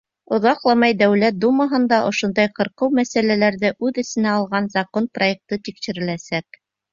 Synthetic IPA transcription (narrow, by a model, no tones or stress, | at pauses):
ŏðɑqlˠɑmɑjd̪æwlæt̪̚d̪umːɑɦɤ̆nd̪ɑʔŏʃŏnd̪ɑjqɤ̆ɾqɤwmæsælælæɾðɘʔʉðɘ̆sɘ̆næɑlˠʁɑnzɑqonproek̚t̪ɤt̪ikʃɘ̆ɾɘ̆læsæk̚